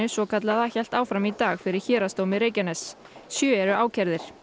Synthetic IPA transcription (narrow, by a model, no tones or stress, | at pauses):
ʏsvɔkʰat̪laðaçɛl̥t̪aːwfɾamit̪aːɣfɪɾɪɾ̥çɛːɾast̪owmɪɾeːjcanɛs | sjœːɛɾʏaːwcʰɛɾðɪɾ̥